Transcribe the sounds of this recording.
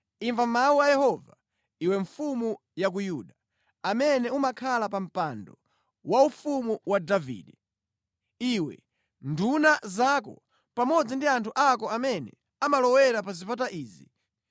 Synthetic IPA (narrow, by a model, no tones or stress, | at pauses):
iɱvammauwajɛhɔva | iwɛɱfumu | jak̬ujuːɗa | amɛnɛumakʰalapam̩pandɔ | waufumuwadavḭːɗɛ | iwɛ̰ | ndunazakɔ̰ | pamɔd͡zindiantʰuʔakɔamɛnɛ̰ | amalɔwɛɾapazipat̬aʔiːzi